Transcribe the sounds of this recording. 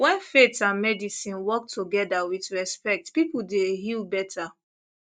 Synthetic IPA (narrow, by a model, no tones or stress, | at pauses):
wɛ̃nfetãnmɛdisĩnwɔk̚tʰuɡɛdawitɹɛspɛk̚tpipuldeɦilbɛtʰa